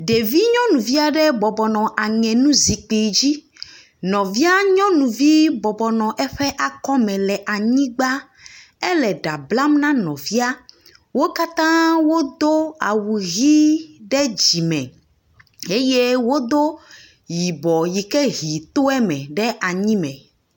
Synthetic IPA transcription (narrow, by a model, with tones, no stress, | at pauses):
ɖe˨vi˦ɲɔ̃˦nũ˨vi˦a˦ɖɛ˦bɔ˨bɔ˨nɔ̃˨ʔa˨ŋɛ̃˨nũ˦zi˨k͡pi˨d͡ʑi˦ | nɔ̃˨vi˦a˦ɲɔ̃˦nũ˨vi˦bɔ˨bɔ˨nɔ̃˨ʔɛ˦ɸɛ˦ʔa˨kɔ˦mɛ̃˨lɛ˨ʔa˨ɲĩ˦ɡ͡ba˦ | ɛ˦lɛ˨ɖa˨bla˦mnã˦nɔ̃˨vi˦a˦ | wo˦ka˦t̪ã˦wo˦d̪o˦a̰˨wu˨ɣi˦ɖɛ˦d͡ʑi˨mɛ̰̃˨ | e˦je˦wo˦d̪o˦ | ji˨bɔ˨ji˨kɛ˦ɦi˨t̪o˦ɛ˦mɛ̰̃˨ɖɛ˦ʔa˨ɲĩ˦mɛ̰̃˨